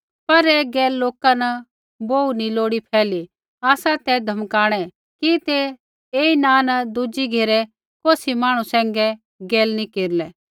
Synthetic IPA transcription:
pɐɾeɡɛːlːoːkanɐ | boːunĩloːɽipʰɛːli | aːsat̪ɛd̪ʱɐmkaːɽ̃ɛ | kit̪e | eːinãːnɐd̪ud͡ʒiɡʱeːɾɛ | koːsimaːɽ̃ũsɛ̃ːŋɡɛ | ɡeːlnikeːɾlɛː

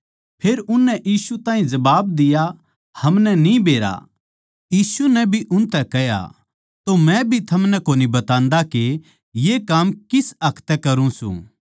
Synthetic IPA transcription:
pʰeːɾʊnːɛʔjiːsut̪ãːĩd͡ʒɐbaːb̚d̪ɪja | hɐmnɛnĩbeːɾa̰ | jiːsunɛbʱiʔʊnt̪ɛkɛja̰ | t̪omɛ̃bʱit̪ʰɐmnɛkoːnibɐt̪ãːnd̪ake | jekaːmkɪsɐkʰt̪ɛkɐɾũsṵ̃ː

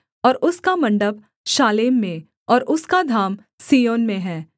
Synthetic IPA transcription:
ɔːɾʊskamɐ̃ɳɖəb | ʃaːleːmːẽ | ɔːɾʊskad̪ʱaːm | siːjoːnmẽɦɛː

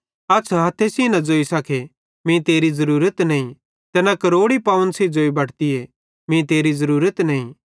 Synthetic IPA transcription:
ɐsʰɦɐt̪ʰːesiːnɐ̃d͡zoːisɐkʰe | mĩt̪eːɾizɐɾuːɾət̪nɐĩ | t̪ɛːnakɐɾoːɽipaːʋənsed͡zoːibɐɽt̪ie | mĩt̪eːɾizɐɾuːɾət̪nɐĩ

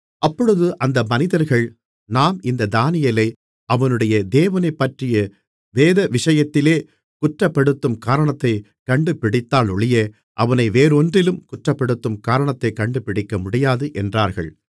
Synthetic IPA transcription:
ʔɐpːɔɻɯðɯʔɐnd̪ɐmɐnɪðɐɾɣɐɭ | naːmɪnd̪ɐd̪aːnɪjɐlɐɪ | ɐʋɐnɯɽɐjɐd̪eːʋɐnɐɪpːɐʈrɪjɐ | ʋeːðɐʋɪʂɐjɐt̪ːɪleː | kʊʈrɐpːɛɽɯt̪ːɯmkaːɾɐɳɐt̪ːɐɪ | kɐɳɖɯpɪɽɪt̪ːaːlɔɭɪjɐ | ʔɐʋɐnɐɪʋeːɾɔndrɪlɯmkʊʈrɐpːɛɽɯt̪ːɯmkaːɾɐɳɐt̪ːɐɪkːɐɳɖɯpɪɽɪkːɐmʊɽɪjaːðɯʔɛndraːɾɣɐ̰ɭ

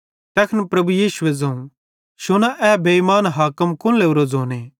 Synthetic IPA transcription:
t̪ɛkʰnpɾɐbujiːʃʊʋed͡zɐũ | ʃʊnaʔɛbʱeimaːnɦaːkəmkʊ̃leːʊɾod͡zoːneː

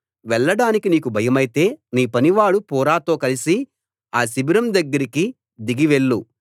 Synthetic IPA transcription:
ʋɛɭːɐɽaːnikiniːkubʱɐjɐmɐjit̪e̞ːniːpɐniʋaːɭupɔːɾaːt̪o̞ːkɐlisi | aːsibiɾɐmd̪ɐɡːɐɾiki | d̪iɡiʋe̞ɭːu

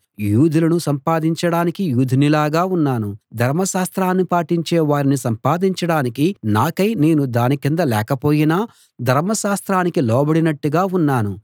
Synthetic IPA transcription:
juːd̪ʱulɐnusɐmpaːd̪iɲt͡ʃɐɽaːnikijuːd̪ʱinilaːɡaːunːaːnud̪ʱɐɾmɐʃaːst̪ɾaːnːipaːʈiɲt͡ʃɛːʋaːɾinisɐmpaːd̪iɲt͡ʃɐɽaːnikinaːkɐjne̞ːnud̪aːnikind̪ɐlɛːkɐpo̞ːjinaː | d̪ʱɐɾmɐʃaːst̪ɾaːnikilɔːbɐɽinɐʈːuɡaːunːaːnu

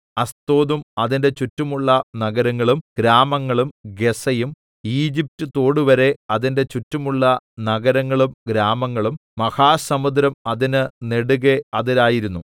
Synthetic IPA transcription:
ɐst̪o̞ːðumɐðinde̞t͡ɕutːumuɭːɐnɐɡɐɾɐŋːɐɭumɡ̥ɾaːmɐŋːɐɭumɡe̞sɐjum | iːd͡ʑip̚tut̪o̞ːɽuʋɐɾe̞ɐðinde̞t͡ɕutːumuɭːɐnɐɡɐɾɐŋːɐɭumɡɾaːmɐŋːɐɭummɐhaːsɐmud̪ɾɐmɐðinɨne̞ɽuɣeɐðiɾaːjiɾunːu

